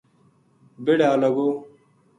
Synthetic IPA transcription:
bɪɽaːləɡoː

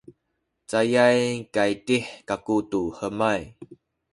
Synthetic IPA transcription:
t͡sajajkaitiħkakutuħəmaj

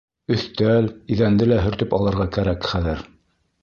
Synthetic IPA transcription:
ɵ̆θt̪æliðænd̪ɘlæɦɵ̆ɾt̪ɵpɑlˠɤ̆ɾʁɑkæɾækχæðɘɾ

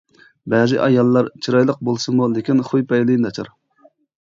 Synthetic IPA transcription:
bɛːzɪ̰ʔɑjɑlˠːɑɾt͡ʃʰiɾɑjlˠəq̚bolˠsɨmulɪkʲinχujpɛjlˠinʰɑt͡ʃʰɑ̰ɾ

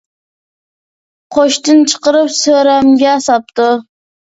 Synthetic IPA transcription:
qʰoʃt̪ɨnt͡ʃʰə̥qəɾɨpsøɾæmɡʲɛːsɑp̚t̪u

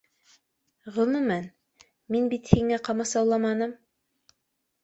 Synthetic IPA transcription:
ʁɤ̆mɤmæn | minbit̪hiŋæqɑmɑsɑwlˠɑmɑnɤm

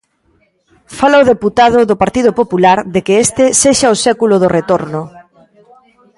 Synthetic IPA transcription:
falaoðeput̪að̞ʊðʊpaɾt̪iðʊpopulaɾðekeest̪ɪseʃaosɛkulʊðʊret̪oɾnʊ

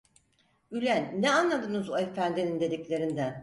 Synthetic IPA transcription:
ylʲænːɛanlˠad̪ɯnɯzoe̞fænd̪inind̪e̞d̪iclʲe̞ɾind̪ɛ

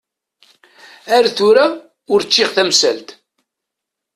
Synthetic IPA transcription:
æɾθʊɾa | ʊɾt͡ʃːɪʁθæmsæ̰lt̪

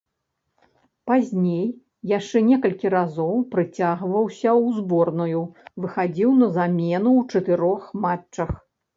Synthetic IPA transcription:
pazʲnʲej | jaʂt͡ʂɛnʲɛkɐlʲkʲiɾazɔwpɾɨt͡sʲaɣvɐwsʲɐwzbɔrnujuvɨxad͡zʲiwnɐzamʲɛnuwt͡ʂɐt̪ɨɾɔxmaɐx

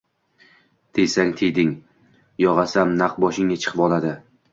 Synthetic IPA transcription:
t̪ʰejsaŋt̪ʰejd̪ɪŋ | jɒʁɑsamnaqbɒʃɪŋːat͡ʃʰɨ̥qʰɨpɒlˠad̪ɪ

